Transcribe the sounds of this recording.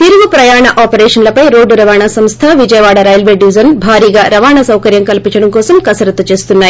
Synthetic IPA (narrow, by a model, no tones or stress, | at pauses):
t̪iɾuʋupɾɐjaːɳɐʔaːpɐɾɛːʂɐnlɐpɐjɾoːɖuɾɐʋaːɳasɐmst̪ʰaʋid͡ʒɐjɐʋaːɽɐɾaːjɐlʋeːɖiʋid͡ʒɐnbʱaːɾiːɡaːɾɐʋaːɳɐsɐwkɐɾjɐmkɐlipiɲt͡ʃɐɽɐmkɔːsɐmkɐsɐɾɐt̪ːɐt͡ʃe̞ːst̪unːaːji